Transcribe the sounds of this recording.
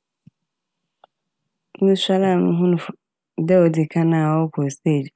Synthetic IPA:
ũ˦sa˦la˦˨nʊ̃˦ɦʊ̃˦nʊ̃˨ | dɛ˦ɔ˨dɪ˨kʰa˦nã˨wɔ˦kʰɔ˨se˦˨d͡ʒ

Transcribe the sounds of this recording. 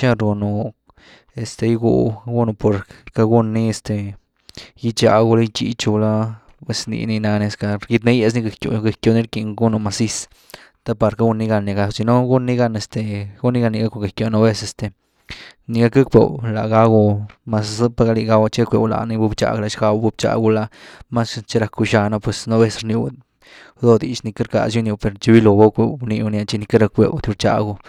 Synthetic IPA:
t͡ʃa˦ɾɡu˧no˨ | e˨st̪e˧jɡṵ˧ɡu˦no˧po˨ɾka˧ɡu˦nːi˦e˧˨st̪e˨˧ | ji˦t͡ʃa̰˧˨ɡo˧la˦jt͡ʃḭ˧t͡ʃu˧la˦ | pwe˧snḭ˧ni˧na˧ne˧ska˧ɡi˧t̪̬ne˦je˧˨s̬ni˦ɡa˧˨kjo̰˨˧ɡa˧kjo˨˧ni˦ɾki˧ŋɡu˦no˧ma˨si˦s | t̪a˦pa˧ɾka˦ɡu˧nːi˧ɡa˧nːi˧ɡa˧si˧no˦ɡu˦nːi˦ɡa˧ne˨st̪e˨ɡu˦nːi˦ɡa˧ni˧ɡa˦kʷo˧ɡa˨kjo˧no˦be˦se˧st̪e˨ | ni˧ɡa˦ka˦kwḛ˨wla̰˨ɡa˦ɡu˧ma˧spa˧ɡa˧li˧ɡa˧wa˧t͡ʃe˦a˦˧kʷe˧˨wla̰˨ni˧bu˧˦bt͡ʃa̰˧˨ɡla˧ʃɡa˧wa˧bu˧bt͡ʃa̰˨ɡu˧la˧ma˦st͡ʃe˦ɾa˧ku˧ʃa˧na˧pwe˨˧sno˦be˦sɾni˧w | d̪o˦˧d̪i˨t͡ʃni˧ka˦ɾka̰˨s̬ju˦nju˧wpe˨ɾt͡ʃi˧bi˦lo˨ba˦kʷe˧ni˧nja˧t͡ʃi˧ni˧ka˦ɾa˧kwḛ˧wt̪u˧ɾt͡ʃa̰˧ɡu˧

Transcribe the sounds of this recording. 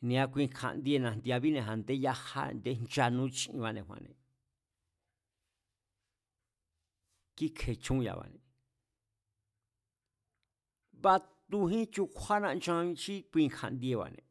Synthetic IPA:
nĩ˧ã˧kʷi˧kʰa̰˧˨nd̪i˧e˧nã˧˨nd̪i˧a˧βi˦nẽ˧˨ɦa˨nd̪e˦ja˦ha̰˦nd̪e˦nt͡ʃa˧nũ˦t͡ʃĩ˧ʔĩ˧βa˧nẽ˧˨hʷwã̰˧nḛ̃˨ | ki˦kʰe˨t͡ʃũ˦˧ja̰˨βa̰˨nẽ˨ | βa˦t̪u˧ɦĩ˦t͡ʃu˧kʷʰa˦nã˧nt͡ʃã˧t͡ʃi˦kʷi˧kʰa̰˧nd̪i˧e˧βa̰˨nḛ̃˧

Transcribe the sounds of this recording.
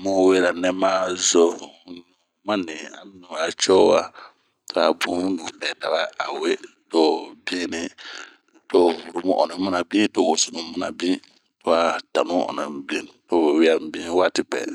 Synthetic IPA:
mo˦˨˦we˦ɾa˨nɛ˦maː˦zo˦n˨ma˦ni˨a̰˨m˦nu˨a˨t͡ʃɔ˦wa̰˦ | to˦a˨bu˦nũ˨pɛ˨ta˨ba˦a˨we˦ | tɔ˨bi˦ni˦ | to˦˨wu˨ɾu˦mu˦ʔɔ̰˨ni˨˦mu˦na˨bĩ˦to˨wo˨su˨nu˨˦mu˦na˨bĩ˦ | tɔ˦a˦ta˨nũ˦ɔ̰˨na̰˨m˦bi˦n˨to˦wɛ˨wɪ˦a˦m˦bi˦wa˦tɪ˨bɛ̰˨

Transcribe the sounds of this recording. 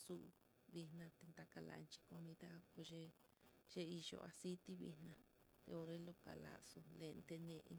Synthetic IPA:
su˦ʔ | βi˧hnã˧t̪e˧nd̪a˧ka˧la̰˨˧nt͡ʃi̥˧ko˧mĩ˧ða˦ko˧ʒe˦ | ʒ̥e˦i˧ʒo̰˨a˧si˦t̪i˦βḭ˧nã˧ | t̪ḛ˧o˧ɾe˦lo˧ka˨la̰˨so˧le˧nt̪e˧nẽ˧ʔ

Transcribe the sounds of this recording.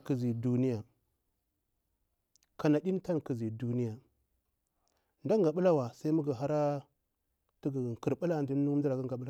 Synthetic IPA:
ki˨zi˨du˦ni˦ja˨ | ka˨na˨ɗi˦n˦ta˦nki˨zi˨du˦ni˦ja˨ | nda˦ŋɡa˨ɓu˦la˦wa˨sa˦i˦mu˦ɡa˨ɦa˦ɾa˦ | ti˦ɡki˨ɾɓu˦la˦˨ndi˦nu˦di˦la˨ɡa˦ŋɡa˨ɓu˦la˦

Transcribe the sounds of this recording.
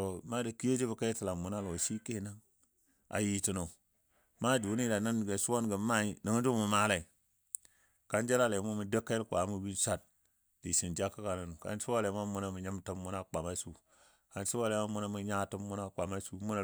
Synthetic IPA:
o˨ma˦da˨ki˦je˦d͡ʒi˦bə˨ka˦i˦tə˨la˨mu˨na˦lo˨si˦ke˦˨na˦ŋ | a̰˨ji˦ti˦no˨ | ma˦du˨˦ni˦da˨na˦n˨ɡe˨su˦wo˦nɡə˨˦ma˦i˨nə˨ŋ˦d͡ʒu˦mu˨ma˦la˨i˨ | ka˦nd͡ʒa˦la˦˨le˨˦mu˦mu˨də˦kːa˦ku˨a˨˦mu˦bi˦nsa˦˨t̚ | di˨si˨nd͡ʒa˦kːa˦ka˨na˨nu˨ka̰˨nsu˦wa˦le˨˦ma˦mu˦na˦mu˨ɲə˦mtə˦mːu˦na˦k͡pa˨ma˦su˦ | ka˨nsi˦wa˦˨le˨˦ma˦mu˦na˦mi˨ɲa˦˨tə˦mːu˦na˦˨k͡pa˨ma˦su˦mu˦na˨

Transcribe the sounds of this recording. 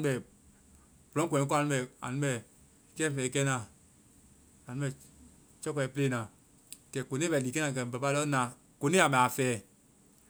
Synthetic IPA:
ɛ˨ | bo˨ɔ̃˦kʷɛ̃˨˦ko˦a˨nĩ˧˦ɓɛ˨a̰˨nũ˦ɓɛ˨ | kɛ˦fɛː˨˦kɛ˦nã˧˨ | a˨nũ˦ɛ˨ | t͡ʃɔ˦kɔ˧˨˦ple˦˨nã˨ | kɛ˨ko˨nĩ˦bɛ˨liː˨kɛ˦nãː˨kɛ˨bɛ˨pa˧˦lɔ˦nã˨ | ko˨nĩ˦a˨mɛ̃˨a˨fɛː˨˦

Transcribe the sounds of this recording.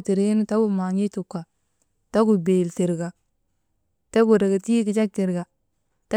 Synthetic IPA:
ti˨ɾe˦n˦ta˦ɡu˨ma˨ɲi˦tu˨kːa˨ | ta˦ɡu˨be˨lti˨ɾɡa˨ | ta˦ɡu˨ɾa˨ɡa˨ti˦ki˨d͡ʒa˦k̚ti˨ɾɡa˨ | ta˦

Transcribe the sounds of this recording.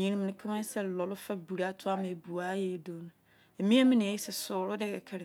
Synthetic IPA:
ɲĩ˨ɾɪ̃˦m̃˨nɪ̃˦kʰɪ˦mã˦n˦sɛ˦˨lɔ˨lʊ˦fa˦bu˨ɾa˦tʰʊ˦a˦mã˨e˨bu˨a˦jɛ˦˨do˦nʊ̃˦ | e˨mĩ˦a˦mɪ̃˦nɪ̃˨ji˦sɛ˨sʊː˨ɾʊ˦dɛ˦kɛ˨kʰɛ˦ɾɪ˨

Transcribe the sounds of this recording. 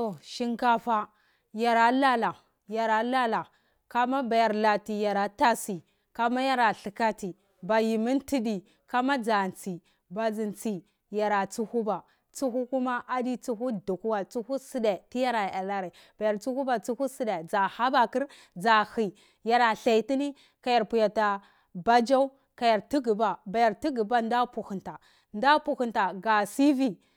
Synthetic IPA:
o˨ʃi˦ŋka˦fa˦ | ja˨ɾa˨la˦la˨ | ja˨ɾa˨˦la˦la˨ | ka˦ma˦ba˨ja˨ɾla˨ti˨ja˨ɾa˨ta˦si˨ | ka˦ma˦ja˦ɾa˨ɬi˨ka˦ti˨ | ba˨ji˨mi˦nti˦di˨ | ka˦ma˦d͡za˨nt͡si˨ | ba˨zi˨nt͡si˨ | ja˨ɾa˨t͡su˦hu˦ba˨ | t͡su˦hu˦ku˦ma˦ʔa˦di˦t͡su˦ɦu˦du˨ku˦wa˨t͡su˦hu˦si˦da˨ti˦ja˦ɾa˨a˨la˦ɾa˨ | b̥a˨ja˨ɾt͡su˦hu˦ba˨t͡su˦hu˦si˦de˨d͡za˨ha˦ba˨ki˦ɾ | d͡za˨hi˨ | ja˨ɾa˨ɬa˨i˨ti˦ni˦ | ka˨ja˨ɾpu˨ja˨ta˨ | ba˦d͡ʒa˦u˦ | ka˨ja˨ɾti˦ɡi˨ba˨ba˨ja˨ɾti˦ɡi˨ba˦n˦da˦pu˨hu˨nta˨ | nda˦pu˨hu˨nta˨ɡa˨si˦vi˦

